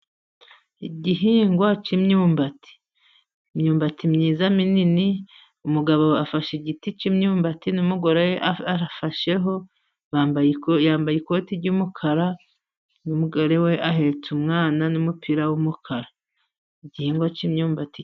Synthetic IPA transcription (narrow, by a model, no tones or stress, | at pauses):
iɟiɦiːŋɡwat͡ʃimɲuːmbati̥ | mɲuːmbatimɲiːzaminini | umuɡaβoafaʃeɟitit͡ʃimɲuːmbatinumuɡoɾejeʔaaafaʃe̞ɦo̞ | βabjaːmbajiko̞ːtiɾɟumukʰaɾa | numuɡoɾewe̞ʔaɦe̞t͡sumŋaːnanumupiɾawumukʰaɾa | iɟihiːŋɡwat͡ʃimɲuːmbati